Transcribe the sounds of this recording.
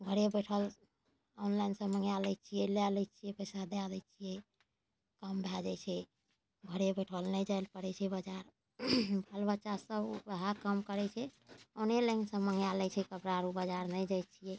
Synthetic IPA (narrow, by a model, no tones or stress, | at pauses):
bʱəɾebeʈʰəl | ɔnlainsə̃məŋjalɛjt͡ʃʰijɛlalɛjt͡ʃʰijɛpəjsad̪ead̪ɛjt͡ʃʰijɛ | kəmbʱɛd͡ʒat͡ʃʰɛ | bʱəɾebeʈʰəlnɛjd͡ʒajlpəɽɛt͡ʃʰɛbəd͡ʒaɾ | bʱəlbətːʃasəbəɦakəmkəɾɛt͡ʃʰɛənelaɪnsə̃məŋjalɛt͡ʃʰɛkəpɾaɾubəd͡ʒaɾnɛd͡ʒajt͡ʃʰijɛ